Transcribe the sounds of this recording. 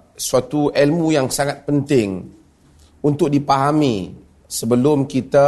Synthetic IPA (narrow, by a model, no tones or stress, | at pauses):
suat̪uʔɛlmujaŋsaŋat̪̚pənt̪ɪŋ | unt̪ʊk̚dipaɦami | səbəlʊmkit̪a